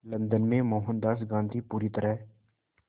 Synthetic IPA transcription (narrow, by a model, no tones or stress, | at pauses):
lənd̪ənmẽmoːɦənd̪aːsɡãːnd̪iːpuːɾit̪əɾəɦ